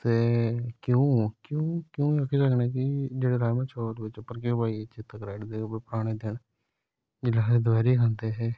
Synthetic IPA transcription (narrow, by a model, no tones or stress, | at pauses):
t̪eːkjõːkjõːkjõːəkʰiːsəkneːkɪd͡ʒeːɽeːɾaːjmãːt͡ʃʰoːʈʋɪt͡ʃpːəɾk̬õːpaːiːt͡ʃɪt̪ːəkɾɛːɖd̪eːbepəɾaːɽ̃eːd̪ɪɳ | d͡ʒɪlaed̪baːɾiːkʰə̃nd̪eːɦɛː